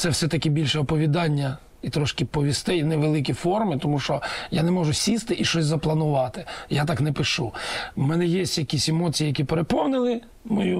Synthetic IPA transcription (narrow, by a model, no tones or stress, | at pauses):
t̪sɛwsɛt̪ɐkʲibʲilʲʃɛɔpɔʋʲid̪ɑnʲːɐ | it̪ɾɔʃkɪpɔʋʲist̪ɪjnɛʋelˠɪk̬ʲifɔrmɪt̪ɔmuʃt͡ʃɔjanɛmɔʒʊsʲist̪ɪʔiʃt͡ʃɔsʲzɐplˠɐnʊʋɑt̪ɪ̥jat̪ɑknɛpɪʃumɛnɛjesʲtʲjɐkʲisʲemɔt͡sʲijijɐkʲipeɾepɔwnɪlˠɪ | mɔju